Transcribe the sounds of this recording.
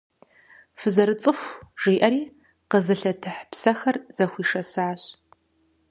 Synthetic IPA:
fɨzɐɾɨt͡sʼɨxʷʒ̥iːʔɐɾiː | qəzɨɬɐtʰɨħpsɐxɐrz̥ɐxʷiːʂɐsaːɕ

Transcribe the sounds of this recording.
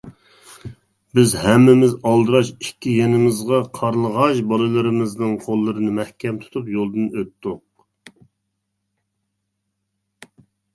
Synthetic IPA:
bɪzhɛmːɪmɪzɑlˠd̪ɨɾɑʃikʲːijɛnɪmɪzʁɑqʰɑɾlˠəʁɑʃbɑlˠɨlˠɨɾɨmɨznɨŋqʰolˠːɨɾɨnɨmɛhkʲɛmt̪ʰu̥t̪ʰupjolˠd̪ɨnøt̪ːʊq̚

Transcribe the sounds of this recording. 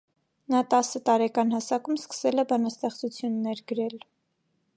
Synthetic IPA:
nɑt̪ɑsət̪ɑɾɛkɑnhɑsɑkumskə̥sɛlɛbɑnɑst̪ɛχt͡sut͡sʰjunːɛɾɡəɾɛl

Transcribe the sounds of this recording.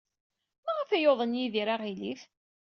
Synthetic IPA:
mæʁafæjoðˤənjiðiɾaʁiliθ

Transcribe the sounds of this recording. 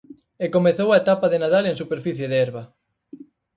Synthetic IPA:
ekomeθowaet̪apaðenaðaleŋsupeɾfiθjeðeɛɾβɐ

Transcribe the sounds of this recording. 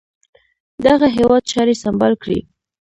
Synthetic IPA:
d̪aɣaɦewɑd̪̚t͡ʃɑɾesambɑlkɽḭ

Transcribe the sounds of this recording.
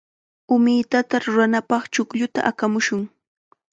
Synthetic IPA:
ʊmɪt̪at̪aɾʊɾanapɑχt͡ʃʊkʎʊt̪a̰ʔakamʊʃʊŋ

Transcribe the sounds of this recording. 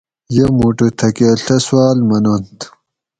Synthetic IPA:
jɐmuʈet̪ʰɐkeɬɐswaːlmɐnɐnt̪

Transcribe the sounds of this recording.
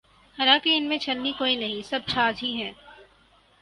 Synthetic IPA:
hɐlakiɪnmẽt͡ʃɐlnikoːinɐɦĩsɐb̚ʃaːzʱiɦɛ̃ː

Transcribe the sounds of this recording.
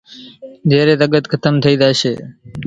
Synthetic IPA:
d̪ʱeːɾeːt̪əɡət̪kʰət̪əmt̪ʰəiːd̪aːʃḛː

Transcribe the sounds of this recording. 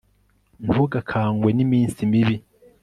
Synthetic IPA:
ɱvuɡakʰaːŋɡwe̞nimiːnsimiβi

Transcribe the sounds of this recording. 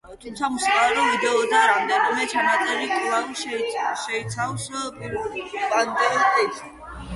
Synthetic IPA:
t̪ʰumt̪sʰamusikʼalɔvid̪ɛɔd̪aɾamd̪ɛnɔmɛt͡ʃʰanat̪sʼɛɾit̪ʼlaɾʃʃɛit̪sʰawspʼiɾvand̪ɛlʼɛt̪ʰ

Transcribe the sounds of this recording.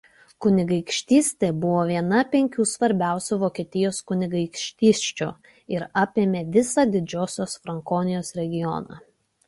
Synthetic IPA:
kʊnʲɪɡɐɪkʃʲt̪ʲiːsʲt̪ʲebʊʋoːʋʲiɛnɐpʲɛŋʲkʲuːsʋɐɾʲbʲæˑʊsʲuːˑʋoːkʲiɛt̪ʲɪjoːskʊnʲɪɡɐɪkʃʲt̪ʲiːsʲt͡ʃʲṵ | ɪɾɑpʲeːmʲeːʋʲɪsɑːd̪ʲɪd͡ʒʲoːsʲoːsfɾɐŋkoːnʲɪjoːsɾʲɛɡʲɪjɔ̰nɑ̰ː

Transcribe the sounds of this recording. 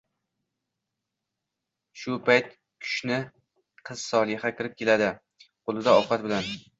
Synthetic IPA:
ʃʊpʰajt̪̚ | kʲʰʊ̥ʃnɪ | qʰɨz̥sɒlˠɪhakʲʰɪɾɪp̚kʲʰe̞lad̪ɪ | qʰolˠɪd̪aɒqɑt̪̚bɪlan

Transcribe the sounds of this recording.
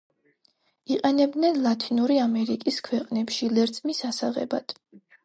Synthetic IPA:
iqʼɛnɛb̚d̪nɛnlˠat̪ʰinuɾiamɛɾikʼiskʰwɛqʼnɛpʃilɛɾt̪sʼmisasaʁɛ̰ba̰d̪̥

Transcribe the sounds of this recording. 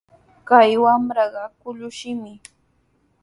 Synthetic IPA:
kajwamɾɑɢɑkʊʎʊʃɪmɪ

